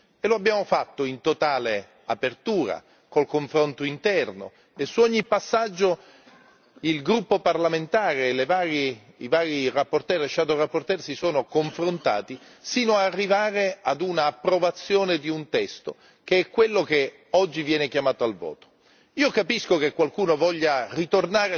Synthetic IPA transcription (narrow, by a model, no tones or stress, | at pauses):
eloabːjaːmofat̪ːoint̪ot̪aːle | apert̪uːɾa̰ | kolkoɱfɾont̪oint̪ɛrno̰ | esːuɔɲːipːasːad͡ʒːo | ilɡɾupːoparlament̪aːɾelevaːɾi | ivaːɾirapːort̪ɛɾeʃaːd̪orapːort̪ɛrsisoːnokoɱfɾont̪a̰ːt̪i | siːnoaːrːivaːɾead̪unaːpːɾovat̪sːjoːned̪iunt̪ɛst̪o | keɛkːwelːok̟e | ɔd͡ʒːivjɛːnekjamaːt̪oalvɔ̰ːt̪o̥ | iːokapiskokekwalkuːnovɔʎːarit̪ornaːɾ